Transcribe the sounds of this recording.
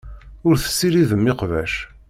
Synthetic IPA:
ʊɾθə̥sːiɾiðəmːɪqvæ̰ʃ

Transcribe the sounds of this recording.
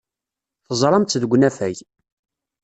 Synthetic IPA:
θəzˤɾˤɑmt̪ːðəɡʷːnæfæj

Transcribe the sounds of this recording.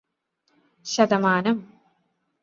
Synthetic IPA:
ɕɐd̪ɐmaːnɐm

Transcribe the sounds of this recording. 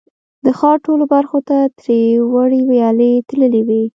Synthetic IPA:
d̪əxɑɾʈolobaɾxot̪at̪ɾewaɽiwajɑlət̪ləliwi

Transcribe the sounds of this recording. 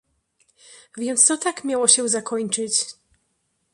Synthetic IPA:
vʲjɛnt̪st̪ɔt̪akmʲjawɔɕɛzakɔɲt͡ʂɘt͡ɕ

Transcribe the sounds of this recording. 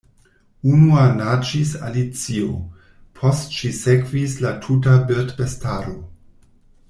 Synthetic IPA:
unuanat͡ʃisa̰lit͡sio | pʰo̞stʃisekvislatʰut̬abetbestaɾo̞

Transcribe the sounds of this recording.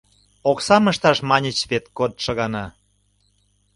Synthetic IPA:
oksɑməʃt̪ɑʃmɑnʲət͡ɕβet̪̚kot̪̚ʃəɣɑnɑ

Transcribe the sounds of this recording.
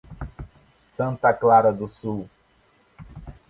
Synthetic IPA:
sɐ̃nt̪ɐklaɾɐd̪ʊsuw

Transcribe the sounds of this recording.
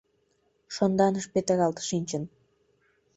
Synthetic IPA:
ʃond̪ɑnəʃpet̪əɣɑlt̪ə̥ʃinʲt͡ɕən

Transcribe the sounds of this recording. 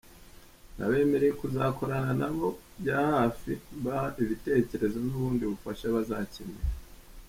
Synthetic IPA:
na̰βe̞ːme̞ɾeekuzaːko̞ɾananaβo̞ | bjaːhaːfiβaaʔiβite̞ːce̞ɾe̞zo̞nuβuːndiβufaʃaβazacemeɾa

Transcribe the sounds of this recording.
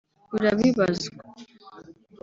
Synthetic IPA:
uɾaβiβazk

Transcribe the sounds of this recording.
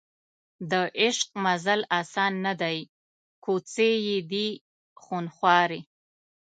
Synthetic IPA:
d̪əʔɪʃq̚mazalɑsɑnːad̪aj | kʰot͡sejed̪i | xunxwɑɾi

